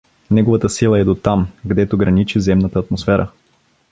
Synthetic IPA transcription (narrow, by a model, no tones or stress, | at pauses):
nɛɡovət̪əsilˠɐɛd̪ot̪amɡd̪ɛt̪oɡɾɐnit͡ʃizɛmnət̪əːt̪mosfɛɾʔə̰